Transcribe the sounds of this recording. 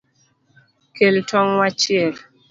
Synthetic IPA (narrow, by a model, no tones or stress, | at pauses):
keltʰɔŋwat͡ʃɪɛl